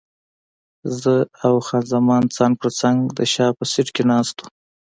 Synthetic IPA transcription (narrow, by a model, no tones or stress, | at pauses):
zəawxɑnzamɑnt͡sɑnpəɾt͡saŋɡd̪əʃɑpəsɪʈkenɑst̪u̥